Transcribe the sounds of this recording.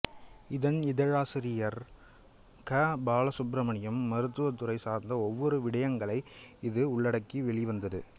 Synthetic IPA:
ɪðɐnɪðɐɻaːsɪɾɪjɐɾ | kɐbaːlɐsʊpɾɐmɐɳɪjɐmːɐɾɯt̪ːɯʋɐt̪ːɯɾɐɪsaːɾnd̪ɐɔʋːɔɾɯʋɪɽɐjɐŋɡɐɭɐɪɪðɯʊɭːɐɽɐkːiʋɛɭɪʋɐnd̪ɐðɯ

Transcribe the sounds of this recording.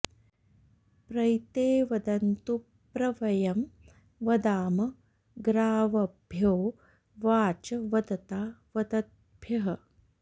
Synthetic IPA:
pɾɐjt̪eːʋɐd̪ɐnt̪u | pɾɐʋɐjɐm | ʋɐd̪aːmɐ | ɡɾaːʋɐbʱjoː | ʋaːt͡ʃɐʋɐd̪ɐt̪aːʋɐd̪ɐt̪̚ | bʱjɐɦɐ

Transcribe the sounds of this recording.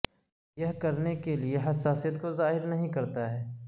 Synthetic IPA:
jɐɦkɐɾnekelieɦɐsaːsijət̪kozaːɦɪɾnɐɦĩkɐɾt̪aɦɛː

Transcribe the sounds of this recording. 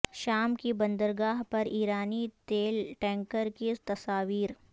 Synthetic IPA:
ʃaːmkibɐ̃nd̪əɾɡaːɦpɐɾiːɾaːnit̪eːlʈɛ̃ːŋkəɾkit̪ɐsaːʋiːɾ

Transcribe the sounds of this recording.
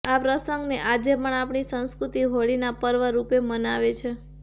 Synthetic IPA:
apɾəsəŋɡneʔad͡ʒepəɳapɳ̃isə̃ñskɾut̪iɦoɭinapəɾʋəɾupemənaʋet͡ʃʰe

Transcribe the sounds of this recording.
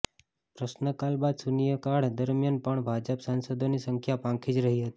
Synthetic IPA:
pɾəsnəkalbad̪sunijəkaɽd̪əɾmjanpəɳbʱad͡ʒəpsansəd̪ʱonisəŋkʰjapãŋkʰid͡ʒɾəɦiɦət̪i̥

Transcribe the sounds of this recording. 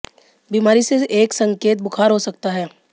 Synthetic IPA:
biːmaːɾiseʔeːksɐ̃ŋkeːt̪̚bʊkʰaːɾɦosɐk̚t̪aɦɛː

